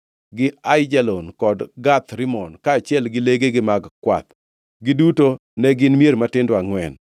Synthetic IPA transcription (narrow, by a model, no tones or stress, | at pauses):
ɡɪajd͡ʒalonkɔdɡat̪ɾɪmɔnkaːt͡ʃjɛlɡɪleɡeɡɪmaɡkwa̰t̪ | ɡɪduto | nɛɡɪnmijeɾmatɪndoaŋwɛn